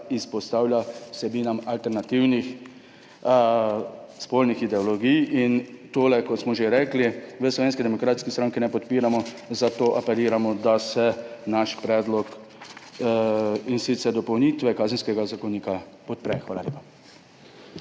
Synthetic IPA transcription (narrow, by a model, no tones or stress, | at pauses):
ispɔst̪aːwljasɛbiːnamalt̪ɛɾnat̪iwnix | spolnixid̪ɛɔlɔɡijint̪oːlɛkɔt̪smɔʒeɾɛkliʋəslɔʋeːns̬kid̪ɛmɔkɾaːt̪skist̪ɾaŋkinɛpɔt̪piːɾamɔ | zat̪oːʔapɛliːɾamɔd̪asɛnaʃpɾɛːd̪lɔk | insit̪sɛɾd̪ɔpɔwnit̪ʋɛkaːzənskɛɡazakowniːkapɔt̪̚pɾɛxʋaːlalḛːpḁ